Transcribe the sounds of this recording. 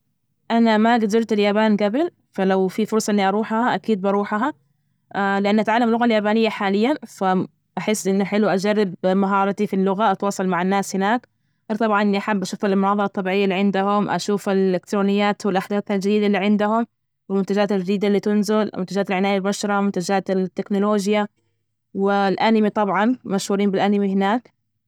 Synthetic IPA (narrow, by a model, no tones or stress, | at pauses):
ʔanamaɡad̪ʊɾt̪aljaːbaːnɡabɪl | falawfifʊɾsˤɑʔɪnːiʔɑɾˤuːħhaʔakiːd̪̚bɑɾˤuːħɦa | alɪʔanːʔat̪ʕalːamlʊɣaljaːbaːnɪjːaħaːlɪjːanfa | ʔaħɪsːʔɪnːʊħɪluʔad͡ʒarːɪbmaɦɑːɾˤɑt̪ifilːʊɣaʔɑt̪wɑːsˤɑlmaʕanːaːshɪnaːkː | t̪ˤɑbʕɑnʔɪnːiʔaħabːʔaʃuːfallmʊnɑːðˤɨɾˤɑt̪ˤːɑbiːʕɪjːalːiʕɪnd̪ʊhʊmʔa̰ʃuːfɪlɪkt̪ɾoːnɪjːaːt̪wɪlʔaħd̪aːθhald͡ʒad̪iːd̪alːiʕɪnd̪ʊhʊm | wɪlmʊnt̪ad͡ʒaːt̪ɪiːd̪alːiːt̪ʊnzɪlmʊnt̪ad͡ʒaːt̪alʕɪnaːjalbaʃɾˤɑmʊnt̪ad͡ʒaːt̪t̪ːɪknʊloːd͡ʒja | wɪlʔanɪmit̪ˤɑbʕɑnmaʃhuːɾiːmbɪlʔanɪmihɪnaːk